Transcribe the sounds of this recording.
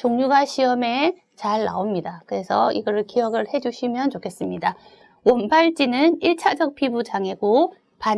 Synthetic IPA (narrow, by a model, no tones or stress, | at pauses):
t͡ɕoŋɲuɡaɕʰiʌme̞ | t͡ɕaɭːa̰omɲidakɯɾe̞sʰʌiɡʌɾɯɭkijʌɡɯɭhe̞d͡ʑuɕʰimjʌnt͡ɕokʰe̞s͈ɯmɲida | wʌnbaɭt͡ɕ͈inɯniɭt͡ɕʰad͡ʑʌk̚pʰibud͡ʑaŋe̞ɡo | pa